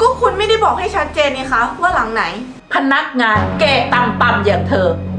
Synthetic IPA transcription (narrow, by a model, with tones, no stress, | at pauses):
kɔː˥˩kʰu˧nma˥˩jda˥˩jbɔː˨˩k̚ha˥˩jt͡ɕʰa˦˥t̪̚t͡ɕeː˧nːiː˧˩kʰa˦˥wa˥˩la˩˦ŋna˩˦j | pʰa˧na˦˥k̚ŋaː˧nkeː˨˩t̪a˧mt̪a˧˩mjaː˨˩ŋt̪ʰɤː˧˩